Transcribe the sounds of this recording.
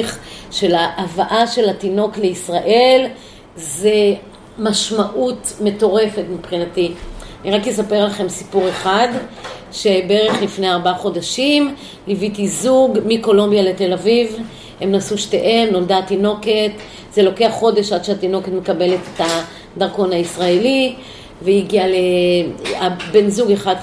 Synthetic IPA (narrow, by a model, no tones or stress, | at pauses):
χʃe̞laʔavaʔaʃe̞latino̞kle̞isʁaʔe̞l | ze̞ | maʃmaʔutme̞to̞ʁe̞fe̞tmipχinatianiʁakjesapeʁlaχe̞msi̥puʁe̞χad | ʃebe̞ʁeχlifneaʁbaaχo̞daʃim | livitizuɡmiko̞lo̞mbjale̞te̞laviv | hemnasuʃte̞ʔe̞mnoldatino̞ke̞t | ze̞lo̞ke̞aχo̞de̞ʃad̥ʃeat̪ino̞ket̪me̞kabe̞lete̥ta | d̪aʁko̞naisʁaeli | veiɡiale | abe̞nzuɡeχad